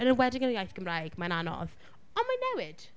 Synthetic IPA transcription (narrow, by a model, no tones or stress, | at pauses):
ənənwɛdɪɡənəjajθɡ̥əmrajɡ̥maənanɔ̰ð | ɔnmanːɛwɪd̥